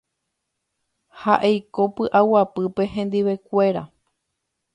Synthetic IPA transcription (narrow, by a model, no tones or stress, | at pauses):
haʔejkopɨʔawapɨpe̞ɦẽ̞nd̪iʋe̞kʷe̞ɾa̰